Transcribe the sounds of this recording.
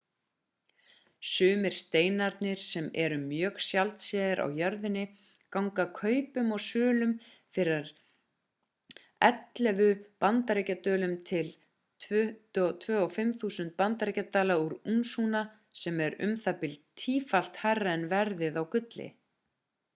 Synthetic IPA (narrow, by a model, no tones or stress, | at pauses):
sʏːmɪɾ̥st̪eːjnaɾt̪nɪɾ̥sɛmɛɾʏmjœːɣsjalt̪sɛːðɪɾʔa̰wjœɾðɪnːɪ | kawŋkakʰœːɥpʏmɔɣsʏːlʏm | fɪɾaɾ | ɛt̪lɛvʏpant̪aɾejcat̪œːlʏmt̪ʰɪl | t̪ʰvœːɔfɪmθuːsʏnt̪̚pant̪aɾejcat̪aːlauɾunsuna | sɛmɛɾʏ̰mθapɪlt̪t̪ʰːiːfal̥t̪harːaɛnvɛɾðɪðawkʏt̪lɪ̰